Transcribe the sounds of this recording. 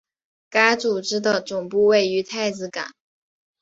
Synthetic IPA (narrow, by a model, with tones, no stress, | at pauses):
ka˥ɪt͡su˨˩ʈ͡ʂɻ̩˥d̪ə˨ʈ͡ʂʊ˨˩ŋpu˥˧we˥˩ɪy˧˥t̪ʰa˥˩ɪt͡sɹ̩˧˩ka̰˨˩˦n